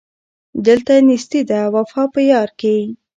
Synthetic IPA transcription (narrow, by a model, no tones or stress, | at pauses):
d̪əlt̪anisd̪id̪awafɑpəjɑɾke